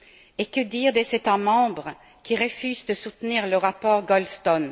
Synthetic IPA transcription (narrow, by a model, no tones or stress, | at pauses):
ekəd̪iːʁd̪ezet̪amɑ̃bʁə | kʲiʁəfyzd̪əsut̪niːʁləʁapɔʁɡɔlst̪ɔn